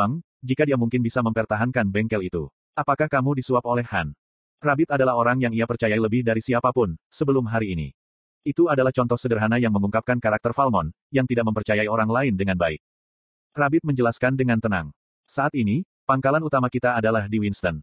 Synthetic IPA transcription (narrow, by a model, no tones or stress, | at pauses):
aŋ | d͡ʒikadiamuŋkɪnbisaməmpərt̪aɦankanbɛŋkɛlit̪u | apakahkamudisuapolɛhːan | rabɪt̪adalahoɾaŋjaŋiapərt͡ʃajailəbɪhdaɾisiapapʊnsəbəlʊmɦaɾiːnḭ | it̪uadalaht͡ʃɔnt̪ɔhsədərɦanajaŋməmuŋkap̚kankaɾak̚t̪ərfalmɔn | jaŋt̪idaʔ̚məmpərt͡ʃajaioɾaŋlaɪndəŋanbaɪk̚ | rabɪt̪̚məɲd͡ʒəlaskandəŋant̪ənaŋ | saʔːt̪ini | paŋkalanut̪amakit̪aːdalahdiwinst̪ən